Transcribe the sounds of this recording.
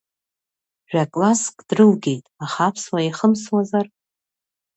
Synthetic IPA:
ʒᶣakʼlaskʼd̥rɨlɡʲe̞jtʼaχapʰswaiχəmswazar

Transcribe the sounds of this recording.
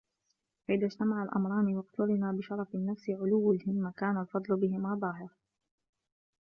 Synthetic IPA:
faʔɪðad͡ʒt̪amaʕalʔɑ̰mɾˤɑːniwɑqt̪ʊɾɪnaːbɪʃɑɾˤɑfanːafsɪʕʊlʊwːalhɪmːakaːnalfɑd̪ˤlʊbɪɦɪmabˤɑːɦɪɾ

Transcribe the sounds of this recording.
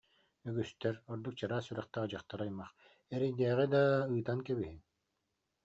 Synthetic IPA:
yɡyst̪ɛɾɔɾd̪uk̚t͡ɕaɾaːsyɾɛχt̪ad͡ʑaχt̪aɾajmaχ | ɛɾɛd̪ɛːʁɛd̪aɯːt̪ankɛbiɦin

